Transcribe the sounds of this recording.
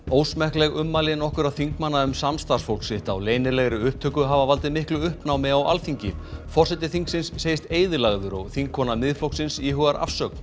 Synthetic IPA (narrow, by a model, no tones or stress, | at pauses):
oːwsmɛhklɛɣʏmːalɪnɔhkʏɾaðθiŋkmanːaʏmsamst̪ḁsfolksɪht̪awleːjnɪɾlɛɣɾɪʏhp̚t̪ʰœːkʏɦavavalt̪ɪmɪhklʏʏhpnawmɪɣawʔa̰lfiɲcɪfɔr̥sɛt̪ɪθiŋksɪnsːejɪst̪eːjðʏlaɣðʏɾɔɣθiŋkʰːɔnamɪðflowksɪnsiɦœɣaɾʔa̰fsœkn̥